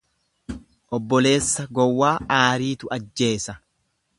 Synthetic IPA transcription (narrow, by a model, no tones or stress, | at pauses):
ʔɔbːɔle̞ːsːɐɡɔwːaːʔaːɾiːt̪ʊɐd͡ʒːe̞ːsɐ